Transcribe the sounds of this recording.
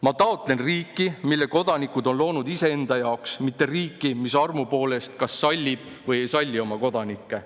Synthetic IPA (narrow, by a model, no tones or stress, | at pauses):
mɑt̪ɑot̪ˑle̞nriːkːˑimilːe̞ko̞d̪̥ɑnikːˑud̪o̞nlo̞ːnud̪ise̞end̪̥ɑjɑoksmit̪ːe̞riːkːˑimisɑrmupo̞ːle̞st̪kɑsːɑlʲːib̥̚ | vɤje̞jsɑlʲːio̞mɑko̞d̪̥ɑnikːe̞